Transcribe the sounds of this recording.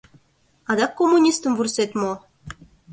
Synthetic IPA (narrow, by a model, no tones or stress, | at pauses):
ɑd̪ɑkːomːunʲist̪ə̆mvurset̪mo